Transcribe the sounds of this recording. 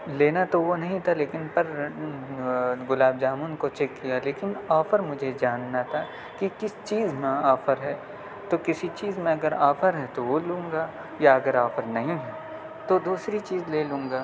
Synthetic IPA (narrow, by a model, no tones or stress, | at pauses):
leːnat̪oʋonɐɦĩt̪ʰaleːkɪnpɐɾ | ɡʊlaːb̚d͡ʒaːmuːnkot͡ʃɛkːijaleːkɪnaːfəɾmʊd͡ʒʱed͡ʒaːnːat̪ʰa | kikɪst͡ʃiːzmẽaːfəɾɦɛː | t̪okɪsit͡ʃiːzmẽɐɡəɾaːfəɾɦɛt̪oʋolũːŋɡaː | jaɐɡəɾaːfəɾnɐɦĩɦɛː | t̪od̪uːsɾit͡ʃiːzleːlũːŋɡaː